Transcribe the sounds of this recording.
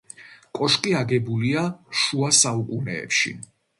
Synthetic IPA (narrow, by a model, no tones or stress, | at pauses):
kʼɔʃkʼiaɡɛbuliaʃuasaukʼunɛ̰ːpʃḭ